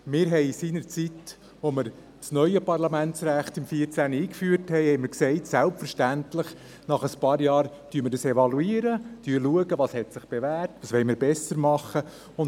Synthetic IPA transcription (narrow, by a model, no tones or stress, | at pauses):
mɪːɾɦɛɪsiːnəɾt͡sit | ʋomɪɾ | t͡snœʏəpɑɾlɑmæntt͡sɾæχt̪ɪmfiːɾt͡sæːnəiːkfyːɾthɛɪhɛɪməɾksɛɪtsælpfəɾʃtæntlɪχ | nɑχəspɑːɾjɑːɾ | tyːməɾdəsɛʋɑluiːɾətyːɾluəɡəʋɑːshɛtsɪχb̥eʋæːrtʋɑːsʋɛɪmɪɾbɛsəɾmɑχːə | ʊn